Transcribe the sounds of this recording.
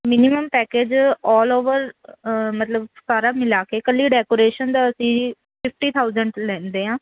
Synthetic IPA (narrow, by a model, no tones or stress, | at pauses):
mɪnɪməmpɛːkeːd͡ʒɔːloːʋəɾ | mət̪ləbsaːɾaːmɪlaːkeːkəliːɖɛːkoːɾeːʃənd̪aːəsĩː | pʰɪpʰʈiːt̪ʰaːʊzəɳɖlɛ̃ːnd̪eːɦãː